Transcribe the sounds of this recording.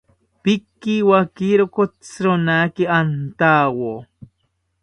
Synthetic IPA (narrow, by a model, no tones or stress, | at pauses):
pɪkːiwakiɾokot͡sɾonakiant̪awo